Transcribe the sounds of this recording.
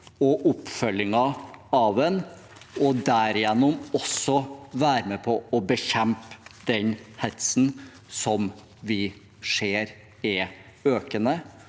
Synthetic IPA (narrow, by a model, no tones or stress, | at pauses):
ɔʔʊpːfœlːɪŋɑɑʋɛn | ɔd̪æɾɪjɛnːʊmɔsːɔʋæːɾəmɛpʰɔɔbəçɛmpd̪ɛnhɛt̪sn̩ | sɔm | ʋɪ | ʂeːɾ | ɛ | øːkənə